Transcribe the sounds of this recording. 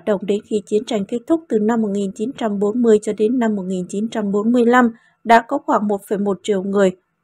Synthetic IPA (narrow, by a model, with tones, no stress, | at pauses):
t̚ɗə̰˧˨wŋ͡mɗe˨˦nxi˨˧˩t͡ɕi˨˦ənt͡ɕa˧˩jŋ̟ke˦˥t̚t̪ʰʊ˦˥k͡p̚t̪ɨ˨˩na˧mːo˨˩t̚ŋi˨˩nt͡ɕi˨˦nt͡ɕa˧mɓo˨˦nmɨ˧əjt͡ɕɔ˧ɗe˨˦nːa˧mːo˨˩t̚ŋi˨˩nt͡ɕi˨˦nt͡ɕa˧mɓo˨˦nmɨ˧əjla˧m | ɗa̰ː˧˥kɔ˨˦xwaː˧˩ŋmo˨˩t̚fə˧˩jmo˨˩t̚t͡ɕḭ˧˨əwŋɨ˨˩əj